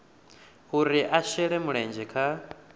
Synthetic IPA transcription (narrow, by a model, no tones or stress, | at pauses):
huɾiʔaʃɛɺɛmuɺɛnd͡ʒɛkʰa